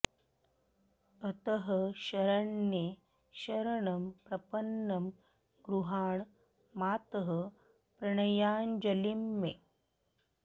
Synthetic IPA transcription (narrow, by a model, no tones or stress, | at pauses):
ət̪əɦəɕɐɾɐɳːe | ɕɐɾɐɳɐmpɾɐpənːɐm | ɡɾuɦaːɳ | maːt̪əɦə | pɾɐɳɐjaːnd͡ʒɐlimːe